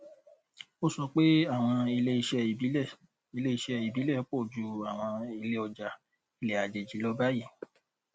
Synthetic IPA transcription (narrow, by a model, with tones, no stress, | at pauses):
o˦sɔ˧k͡pe˦a˦˨w̃ɔ̃˧i˧le˦i˧ʃɛ˧˨i˦ɛ˦˨ | i˧le˦i˧ʃɛ˧i˨bi˨˦lɛ˦˨˦k͡po˦˨d͡ʒu˧a˨w̃ɔ̃˧i˧le˦ɔ˧d͡ʒa˧ | i˧lɛ˨a˨d͡ʒe˨d͡ʒi˨˦lo˦ba˦ji˦˨